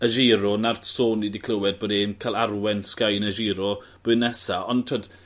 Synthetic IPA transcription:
əʒiːɾɔnarsoːnidikʰl̥ˠəwɛd̚bodeːmkʰalˠarwɛnskajnəʒiːɾɔ | b̥ɨnɛsaɔntʰod

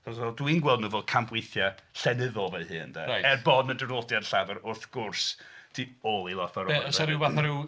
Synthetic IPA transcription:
ɔsɛlˠdwinɡwɛlˠdnuvoːd̚kʰambwejθjaɬɛnɪðɔlˠvɛɨhɨːndɛ̰ɾajɛrbɔːdnədərodjad̥ɬavɛɾʊrθɡ̥ʊrsd̥ioːlˠilˠɔθaɾɔsaɾɪwvaθaɾɪw

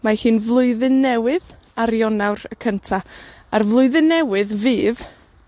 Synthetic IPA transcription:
mahɨːnvlˠʊɨðɪnːɛwɪð | aɾjɔnawɾəkʰəntʰaarvlˠʊɨðɨnːɛwɨðviːv

